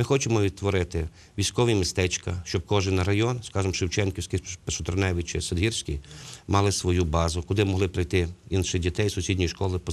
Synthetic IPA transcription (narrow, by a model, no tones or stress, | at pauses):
mɪxɔt͡ʃemɔʋʲid̪̚t̪ʋɔɾɪt̪ɪ | ʋʲijsʲkɔʋʲimʲist̪ɛt͡ʃkɐʃt͡ʃɔb̚kɔʒɪnɐɾɐjɔnskɑʒɪmʃɪwt͡ʃɛnkʲɪwsʲkʲipeʃɔt̪ɔɾɔnɛʋʲɪt͡ʃɪ̰sed̪ɦirsʲkʲimɑlˠɪsʋɔjubɑzʊkʊd̪ɪmɔɦlˠɪpɾɐjt̪ɪinʃɪdʲit̪ɛjsʊsʲidʲnʲijiʃkɔlˠɪpɔ